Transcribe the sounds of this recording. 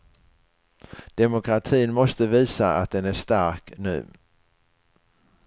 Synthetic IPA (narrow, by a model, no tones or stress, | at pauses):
d̪̥ɛmʊkʰɾat̪ʰiːnmɔst̪əviːsaa̰t̪̚d̪ɛnæʂt̪aɾknʉ̟̰ː